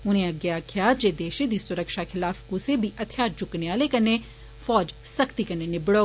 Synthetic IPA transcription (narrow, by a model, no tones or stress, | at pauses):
ʊnẽɐɡɐjakʰjaːd͡ʒed̪eːʃẽd̪isʊɾəkʃaxʰɪlaːfɡʊsebʱiʔɐt̪ʰjaːɾt͡ʃʊkneaːlekɐne | fɔːd͡ʒ | sɐkʰt̪ikɐnenɪbɽo